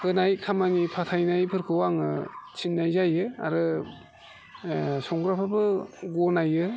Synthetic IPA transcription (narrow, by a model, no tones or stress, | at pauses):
hɯnajkʰamanipʰatʰajnajpʰɯɾkʰɯwaŋɯt͡ʃʰinːajzajɯa̰ɾɯ | sɔŋɡɾapʰabɯɡonajɯ